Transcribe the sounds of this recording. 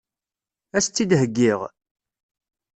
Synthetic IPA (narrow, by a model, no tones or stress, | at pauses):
æst͡sːid̪ɦəɡːiʁ